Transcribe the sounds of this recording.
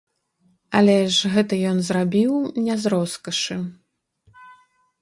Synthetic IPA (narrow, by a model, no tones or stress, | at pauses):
ɐlʲɛʐɣɛt̪ɐjɔnzrabʲiwnʲɛzɾɔskɐʂɨ